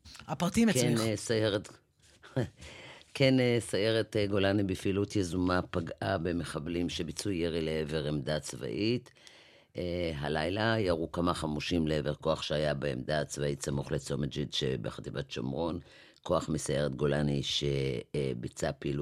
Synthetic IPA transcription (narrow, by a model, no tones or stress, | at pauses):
apʁatimknisajeʁet | kʰenesaje̞ʁetɡo̞lanibifiːlut̪jezumapaɡʔabe̞meχablimʃebit͡sujeʁileeve̞ʁemdat͡sva̰ʔit | ɦalajlajaʁukamaχamuʃimleeveʁko̞aχʃeajabeemd̪at͡svaitsamuχlet͡so̞med͡ʒidʃḛbeχat̪ibatʃa̰mʁo̞n | ko̞aχmisaje̞ʁet̪ɡo̞laniʃebit͡sapilu